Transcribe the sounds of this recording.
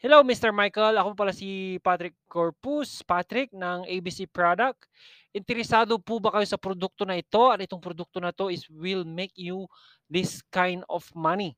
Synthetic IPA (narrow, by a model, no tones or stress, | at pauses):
hɛlowmist̪ɛɹmajkɐlɐko̞pp̬ɐlasipat̪ɾɪkːoɹpuspat̪ɾɪk̚nɐŋʔejbisipɹad̪ɐk̚t̪ | ʔɪnt̪ɛɾɛsaːd̪o̞pubɐkɐjo̞sɐpɾod̪uk̚t̪onɐɪt̪o̞ʔɐt̪ʔɪt̪oŋpɾod̪uk̚t̪o̞nɐt̪o̞ʔɪswɪlmejkju | ðɪskajnd̪ofmɐni